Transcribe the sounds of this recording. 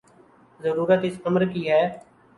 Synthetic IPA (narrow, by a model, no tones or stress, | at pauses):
zəɾuːɾət̪ɪsəməɾkiːɦɛː